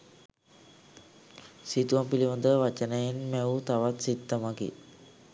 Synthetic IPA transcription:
sit̪uʋampiliməd̪əʋat͡ʃənəjenmɛut̪aʋat̪sit̪ːəmaɡḭ

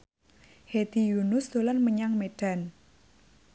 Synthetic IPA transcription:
hed̪̥i̤junʊsd̪̥olanməɲaŋmeɖ̥a̤n

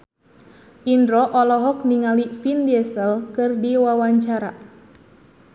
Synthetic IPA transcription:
ʔindɾɔʔɔlɔɦɔk̚niŋalifindɛsəlkɨrdiwawaɲt͡ʃaɾa̰

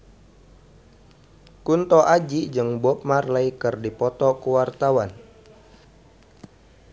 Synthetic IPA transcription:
kunt̪ɔʔad͡ʒid͡ʒɨŋbɔp̚marlaikɨrdipɔt̪ɔkuwart̪awan

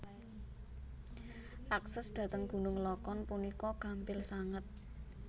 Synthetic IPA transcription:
ʔaksɛsd̪̥ä̤t̪əŋɡ̥ṳnʊŋlɔkɔnpunikɔkampɪlsaŋət̪̚

